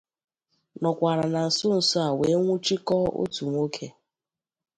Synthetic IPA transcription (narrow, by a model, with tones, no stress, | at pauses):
nɔ˨kʷa˨ɾa˨na˨n̩˨sʊ˦n̩˨sɔ˦a˨we˨˦ŋʷu˦t͡ʃi˦kɔ˦o̰˦tu˨ŋʷ˦o˦kʰe˦